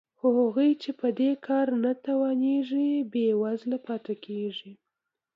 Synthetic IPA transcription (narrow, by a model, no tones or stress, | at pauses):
xohaɣujt͡ʃepəd̪ekʰɑɾnat̪awɑneʐibewazlapɑt̪akʰeʐi